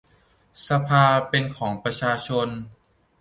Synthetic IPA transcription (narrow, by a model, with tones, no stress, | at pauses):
sa˧pʰaː˧pe˧nkʰɔː˩˦ŋpɾa˧t͡ɕʰaː˧t͡ɕʰo˧n